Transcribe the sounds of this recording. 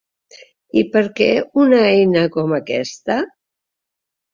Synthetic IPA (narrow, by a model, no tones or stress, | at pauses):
ipəɾkɛunəɛjnəkɔməkɛ̰st̪ə